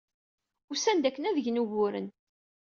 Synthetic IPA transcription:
ʊsænd̪ækːənæðəʝnuʝʊɾə̰n

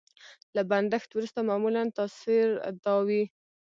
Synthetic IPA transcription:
laband̪axt̪wɾust̪amɑmulant̪ɑsiɾ̰d̪ɑwi

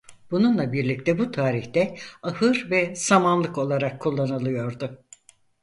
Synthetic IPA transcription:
b̥ununlˠabiɾlʲic̚t̪ʰɛbut̪ʰaːɾiçt̪ɛahɯɾvɛsamanlˠɯko̞lˠaɾakʰːulˠːanɯlˠɯjo̞ɾd̪ʊ

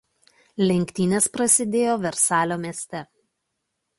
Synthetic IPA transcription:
lʲɛŋʲkʲt̪ʲiːnʲeːspɾɐsʲɪd̪ʲeːjoːʋʲɛɾsɑːlʲoːmʲiɛsʲt̪ʲɛ

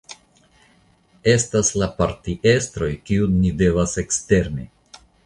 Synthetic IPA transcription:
e̞staslapaɾtiʔe̞stɾo̞jkiunide̞vase̞kste̞ɾnḭ

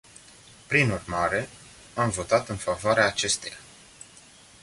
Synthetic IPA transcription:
pɾinurmaɾe̞ | amvo̞t̪at̪ɨnfavoaɾeaːt͡ʃe̞st̪e̞ja

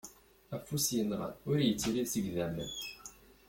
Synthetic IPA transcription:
æfːusjənʁə̰nʊɾjət͡sːɾisəɡðæmːə̰n

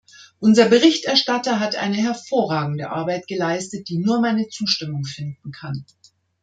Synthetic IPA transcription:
ʔʊnzɐbəʁɪçtɛɐʃtatɐɦatʔa̰ɪnəɦɛɐfoːɐʁaːɡŋ̩dəʔa̰ɐbaɪtɡ̥əlaɪstət̚d̥iːnuːɐmaɪnət͡suːʃtɪmʊŋfɪndn̩kʰan

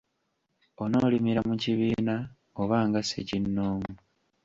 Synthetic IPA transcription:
ono̞ːlimiɾamuciβiːna | oβaːŋɡasecinːoːŋu

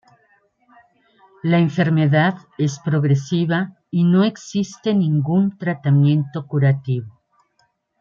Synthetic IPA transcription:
laeɱfe̞ɾme̞ðaðe̞spɾo̞ɣɾe̞siβa | ino̞e̞ksist̪e̞nĩŋɡunt̪ɾat̪amjẽ̞nt̪o̞kuɾat̪iβo

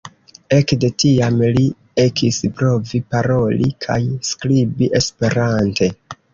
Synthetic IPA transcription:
ekde̞tiamli | e̞kʰispɾo̞vipaɾo̞lḭkʰa̰jskɾibiʔe̞spe̞ɾante̞

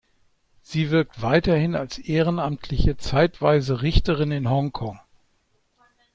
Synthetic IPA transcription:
z̥iːvɪɐk̚tv̥aɪtɐhɪnalsʔeːʁənamtʰlɪçət͡saɪtv̥aɪzəʁɪçtəʁɪnɪnɦɔŋkʰɔŋ

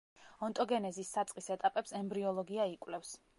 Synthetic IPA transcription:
ɔnt̪ʼɔɡɛnɛzisːat̪sʼqʼisɛt̪ʼapʼɛpsɛmbɾiɔlˠɔɡiaikʼwlɛfs

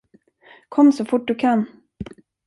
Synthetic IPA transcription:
kʰɔmːsɔfʊʈ̚ːdɵkʰanː

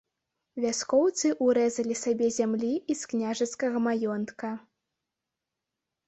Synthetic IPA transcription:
vʲaskɔwt̪sɨʔuɾɛzɐlʲisabʲɛzʲamlʲiisknʲaʐɐskɐɣɐmajɔnt̪kɐ

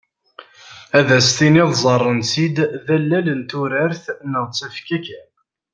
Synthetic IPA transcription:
æðæst̪iniðzˤɑrˤːənsid̪ðælːælənt̪ʊɾæɾθnəʁt͡sːæfkækæ

